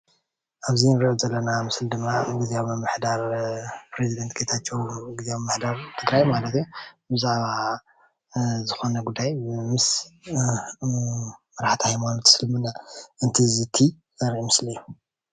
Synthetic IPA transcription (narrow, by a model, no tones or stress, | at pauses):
ʔaβzinɨɾʔozɐlːɐnamɨsld̪ɨmːaɡɨziawmɨmːɨħd̪aɾpɾezid̪ɐnt̪̚ɡʰejt̪ʰat͡ʃːewɡɨzawmmːɨħd̪aɾt̪ʰɨɡɾajmalɐt̪jubɨzaʕβa | zɨxo̞nɐɡud̪ːajmɨs | mɐɾaħt̪ʰihajmanot̪ʰsɨlmɨnːaʔɨnt̪ʰizɨt̪ʰi | ɐɾʕimɨslijːu